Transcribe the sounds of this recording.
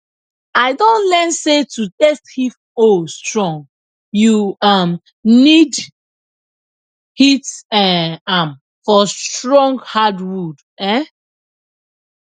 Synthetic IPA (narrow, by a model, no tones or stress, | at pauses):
aɪdõnlɛnsetutɛsthif | ostɹɔ̃ŋɡ | juam | nid | hitɛ̃am | fɔsttɹɔ̃ŋɡhadwud | ɛ